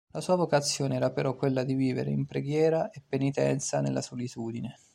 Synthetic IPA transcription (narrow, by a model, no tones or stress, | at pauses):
lasuːavokat̪sːjoːneɛːɾapeɾɔkːwelːad̪iviːvḛɾḛimpɾeɡjɛːɾaepːenit̪ɛ̰nt̪sanelːasolit̪uːd̪ine